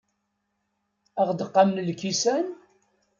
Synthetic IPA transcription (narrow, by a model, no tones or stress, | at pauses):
æʁd̪əqːɑmnlkisæn